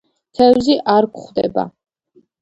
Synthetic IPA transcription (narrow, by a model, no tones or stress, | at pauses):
t̪ʰɛwziʔaɾkʷχd̪ɛ̰ba̰